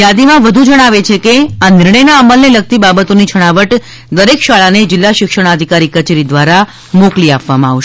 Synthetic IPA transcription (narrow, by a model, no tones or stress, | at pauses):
jad̪imãʋəd̪ʱud͡ʒəɽ̃aʋet͡ʃʰekeanɪɾɳəjnaəməlneləɡ̚t̪ibabət̪onit͡ʃʰəɽ̃aʋəʈ | d̪əɾekʃaɭaned͡ʒɪlːaʃɪkʃəɽ̃ad̪ʱikaɾikət͡ʃeɾid̪ʋaɾa | mokliapʋamãaʋʃ